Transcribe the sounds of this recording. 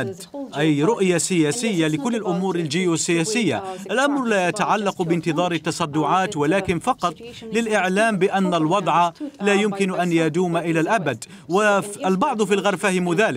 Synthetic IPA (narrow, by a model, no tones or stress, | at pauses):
d̪ | ʔajɾʊʔjasɪjaːsɪjːalɪkʊlːɪlʔʊmuːɾɪld͡ʒɪjːusːɪjaːsɪjːa̰ʔalʔamɾlaːjat̪aʕalːɑqbɪnt̪ɨðˤɑːɾɪt̪ːɑsˤɑd̪ːʊʕɑːt̪walaːkɪnfɑqɑt̪ˤlɪlʔɪʕlaːmbɪʔanːalwɑd̪ˤʕɑlaːjʊmkɪnʔanjad̪uːmaʔɪlaːlʔabad̪ | waalbɑʕd̪ˤfilɣɑɾˤfahɪmʊðaːlɪ